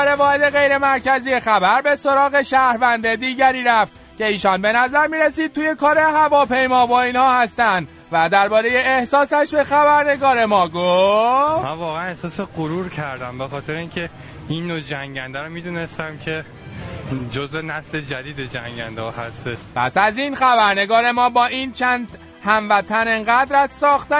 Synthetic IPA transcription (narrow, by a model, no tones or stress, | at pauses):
ɾevɒːhed̪e̞ɣe̞jɾe̞mæɾcæzije̞xæbæɾbe̞so̞ɾɒːɣe̞ʃæhɾvænd̪ed̪iːɟæɾiːɾæft̪ | ce̞iːʃɒːnbe̞næzæɾmiːɾesiːd̪̚t̪ʰːuːje̞kʰɒːɾe̞ɦævɒːpe̞jmɒːbɒːiːnhɒːhæst̪ænd̪ | væd̪æɾbɒːɾe̞je̞ːhsɒːsæʃbe̞xæβæɾne̞ɡɒːɾe̞mɒːɡofmænvɒːɣeænehsɒːseɢoɾuɾcʰæɾd̪æmbexɒːt̪ʰeɾeĩːŋcʰe | inːod͡ʒæŋɟænd̪æɾomiːd̪uːnest̪æmcʰe̞ | d͡ʒozenæsled͡ʒæd̪iːd̪ed͡ʒæŋɟænd̪eɒhæst̪eʃpʰæ̰sæziːnxæbæɾne̞ɡɒːɾe̞mɒːbɒːʔint͡ʃʰænd̪ | hæmvæt̪ʰæneŋɢæd̪ɾæzsɒːxt̪æ